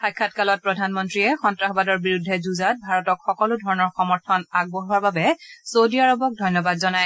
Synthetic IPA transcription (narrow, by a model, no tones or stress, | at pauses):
xajkʰːatkalɔt̚pɹɔdʱanmɔntɹiɛxɔntɹaxɔbadɔɹbiɹudʱːɛzuzat̚bʱaɹɔtɔkxɔkɔlʊdʱɔɹɔnɔɹxɔmɔɹtʰɔnaɡ̚bɔɦuaɹbabɛsodiaɹɔbɔk̚dʱɔjnɔbadzɔnaj